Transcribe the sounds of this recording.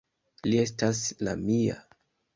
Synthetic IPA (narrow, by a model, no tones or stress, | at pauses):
lie̞s̬tasla̰mia̰